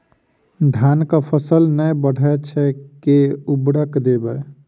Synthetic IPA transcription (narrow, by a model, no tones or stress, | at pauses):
d̪ʱankəpʰəsəlnəjbəɽ̤ʱɛt͡ʃʰɛkeubɽəkd̪ebə